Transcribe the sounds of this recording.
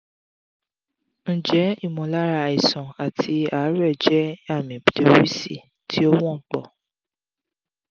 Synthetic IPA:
n̩˦˨d͡ʒɛ˨˦i˦˨mɔ̃˨la˦ɾa˧˨i˨sɔ̃˨a˨tʰi˧˦a˨˦ɾɛ˦˨d͡ʒɛ˦a˦˨mĩ˨pi˨˦lo˧˦ɾi˦si˦˨ | tʰi˦ɔ˦wɔ̃˦k͡pɔ˦˨

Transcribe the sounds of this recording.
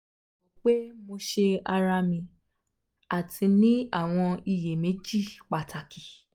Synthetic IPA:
o˨k͡pe˦mo˧ʃe˧a˧ɾa˧mĩ˧ | a˨tʰi˧nĩ˦a˦˨w̃ɔ̃˧i˧˨je˨mẽ˨˦d͡ʒi˦˨k͡pa˨tʰa˨ki˨

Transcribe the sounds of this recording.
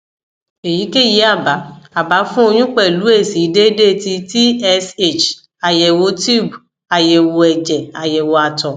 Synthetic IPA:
e˨ji˨˦ke˦˨ji˨˦a˦˨ba˨˦a˨ba˨˦fũ˦o˧j̃ũ˦k͡pɛ˦˨lu˨˦e˦˨si˨˦de˦de˦˨ti˧ti˦ɛ˧se˦˨t͡ʃ | a˨jɛ˨wo˧˦ti˦˨bu˨ | a˨jɛ˨wo˧ɛ˨d͡ʒɛ˨a˨jɛ˨wo˧a˧˨tɔ̃˨

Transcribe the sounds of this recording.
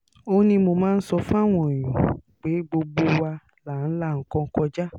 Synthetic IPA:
o˧nĩ˧mo˧mãː˦˧n̩˦sɔ˧fũ˦a˦˨w̃ɔ̃˦˨j̃ũ˨k͡pe˨˦ɡ͡bo˧ɡ͡bo˧wa˧ | la˨n̩˦la˦˨ŋ̩˨kɔ̃˧ŋ̩˦kɔ̃˧d͡ʒa˦

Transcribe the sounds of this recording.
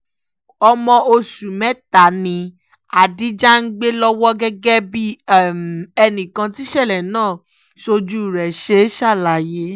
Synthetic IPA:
ɔ˧mɔ̃˧o˧su˨mɛ˦ta˨nĩ˧ | a˨di˨˦d͡ʒa˦n̩˦ɡ͡be˦lɔ˦wɔ˦ɡɛ˦ɡɛ˦bi˦ | ɛ˧nĩ˨kã˧ti˦ʃɛ˦˨lɛ˨nãː˦˨ | ʃo˧d͡ʒu˦˨ɾɛ˨ʃe˧˦ʃa˦˨la˨˦je˦

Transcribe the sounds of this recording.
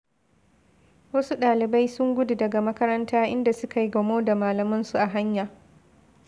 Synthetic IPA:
wɐ˦su˦ɗaː˨lɪ˨ba˦jsʊ˦ŋɡʷʊ˦du˨dɐ˨ɡa˨mɐ˦kɐ˦ɾɐ˦ntaː˦ʔɪ̰˦nda˨sʊ˦ka˨ji˦ɡɐ˨moː˦da˨maː˨lɐ˨mʊ˦nsu˨ʔa˨ɦa˦ɲjaː˨

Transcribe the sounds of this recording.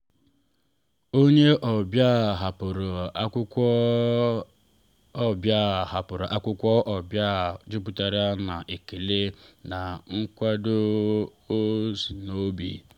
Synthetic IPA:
o˦ɲe˦ʔɔ˨bja˦˨ɦa˨pʊ˨ɾʊ˨˦kʊ˦ɔ˦ | bja˦˨ɦa˨pʊ˨ɾʊ˨ʔa˦kʷʊ˦kʷɔ˦ʔɔ˨bja˦˨d͡ʒʊ˦pʊ˨ta˨ɾa˦na˨ʔe˨ki˨le˦na˨ŋ̩˦kʷa˦do˦o˦zi˨no˦bḭ˨

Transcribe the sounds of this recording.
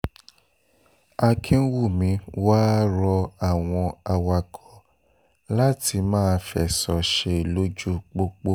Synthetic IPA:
a˧kʰĩ˦n̩˦wu˦˨mĩ˨˧waː˦ɾɔ˧a˦˨w̃ɔ̃˧a˧wa˧kɔ˨˦ | la˦ti˧mãː˦˧fɛ̰˦˨sɔ˨ʃe˧˨lo˦d͡ʒu˦k͡po˧k͡po˦

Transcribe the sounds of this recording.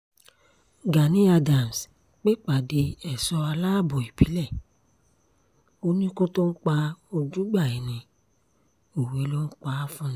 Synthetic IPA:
ɡa˨nĩ˨˦a˧da˨m˨s | k͡pe˦k͡pa˨de˧ɛ˨sɔ˧a˧laː˦˨bɔ˨i˨bi˨˦lɛ˦˨ | o˧˦nĩ˦ko˦to˦n̩˦k͡pa˧o˧d͡ʒu˦ɡ͡ba˦˨i˨nĩ˧˦ | o˨we˨˦lo˦n̩˦k͡pa˦fũ˦nĩ˦

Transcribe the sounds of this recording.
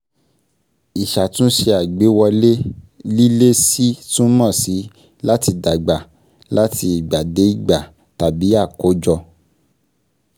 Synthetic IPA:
i˨ʃa˨tũ˦ʃe˧a˨ɡ͡be˨˦wɔ˧le˦li˦le˦si˦tũ˦mɔ̃˦˨si˨˦ | la˦ti˧da˨ɡ͡ba˨ | la˦tʰi˧i˨ɡ͡ba˨de˨˦i˦˨ɡ͡ba˨ | ta˨bi˨˦a˦˨ko˨˦d͡ʒɔ˧

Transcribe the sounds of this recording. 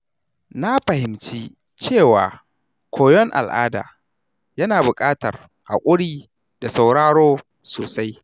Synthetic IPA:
na˦ɸɐ˨hɪ˨mt͡ʃiː˦ | t͡ʃeː˦˨waː˨ | kʷʰoː˨jɔ˦ŋʔa̰˨lʔaː˦da̰ː˨ | jɐ˦naː˨bʊ˨kʼaː˦tɐ̰˨r | ha̰˨kʷʼʊ˦ɽiː˦ | da˨sa˨wɽaː˦ɽoː˦ | soː˨sa˦j

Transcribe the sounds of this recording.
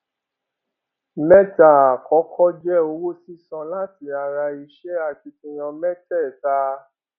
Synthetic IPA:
mɛ˦ta˦˨a˨kɔ˨˦kʰɔ˦d͡ʒɛ˦˨o˧˦wo˦si˦sɔ̃˧la˦ti˧˦a˧ɾa˧i˧ʃɛ˦a˦˨ti˧kĩ˧j̃ɔ̃˧mɛ˦tɛ˦˨ta˦

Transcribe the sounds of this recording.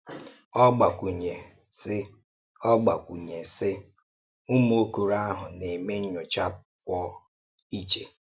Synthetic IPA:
ɔ˦ɡ͡ba˨kʷu˨ɲe˨ | sɪ˦ | ɔ˦ɡ͡ba˨kʷu˨ɲe˨sɪ˦ | u˦m˦o˦ku˨ɾa˦ɦʊ˨ne˨me˦n̩˦ɲʊ˨t͡ʃa˦p | kʷɔ˦ | i˦t͡ʃḛ˨

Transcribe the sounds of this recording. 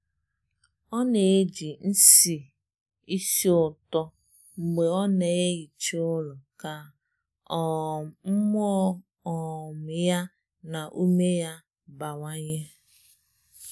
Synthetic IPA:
ɔ˦ne˨e˦d͡ʒi˨n̩˦si˨ | i˦si˦ʊ˨tɔ˦ | ŋ͡m̩˨ɡ͡be˨ɔ˦ne˨e˦ji˨t͡ʃʊ˦lʊ˨ka˨ | m̩˦m˦ɔ˦ | ɔ˨m̩˨ja˦ | na˨ʔu˦me˦ja˦ | ba˨wa˦ɲe˦

